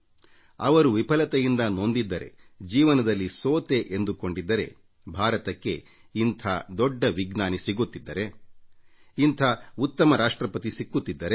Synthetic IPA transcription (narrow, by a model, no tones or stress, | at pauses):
ɐʋɐɾuʋipɐlɐt̪ɐjind̪ɐno̞nd̪id̪ːɐɾe̞̰d͡ʒiːʋɐnɐd̪ɐlːisoːt̪eʔend̪uko̞ɳɖid̪ːɐɾe̞̰ | bʱaːɾɐt̪ɐkːe̞̰ | int̪ʰaːd̪ɔɖːɐʋiɡnaːnisiɡut̪ːid̪ːɐɾe̞ | int̪ʰɐut̪ːɐmɐɾaːʂʈɾɐpɐt̪isikːut̪ːid̪ːɐɾe